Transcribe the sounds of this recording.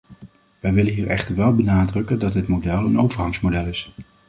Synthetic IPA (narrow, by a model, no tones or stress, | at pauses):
ʋɛjʋɪlənɦiːɹɛχtəɹʋɛlˠbənaːdrɵkəndɑtdɪtmodɛlˠənowvəɹɦɑŋsmodɛlˠɪs